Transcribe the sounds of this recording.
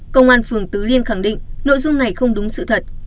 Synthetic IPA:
kə˧wŋ͡mʔaː˧nfɨ˨˩əŋt̪ɨ˨˦li˧ənxa˧˩ŋɗḭ̈˧˨ŋno̰˧˨jzʊ˧ŋ͡mna˨˩jxə˧wŋ͡mɗʊ˨˦ŋ͡msɨ̰˧˨t̪ʰə˨˩t̚

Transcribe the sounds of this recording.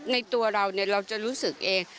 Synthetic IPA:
t̚na˧jt̪u˧ɐɾa˧wni˧˩əɾa˧wt͡ɕa˨˩ɾuː˦˥sɯ˨˩k̚ʔeː˧ŋ

